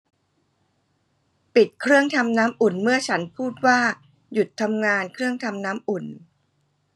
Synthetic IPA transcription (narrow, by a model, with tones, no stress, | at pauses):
pi˨˩t̪̚kʰɾɯ˥˩əŋt̪ʰa˧mnaː˦˥mʔu˨˩nmɯ˥˩ɐt͡ɕʰa˦˥npʰuː˥˩t̪̚waː˥˩ | ju˨˩t̪ʰːa˧mŋaː˧nkʰɾɯ˥˩əŋt̪ʰa˧mnaː˦˥mʔu˨˩n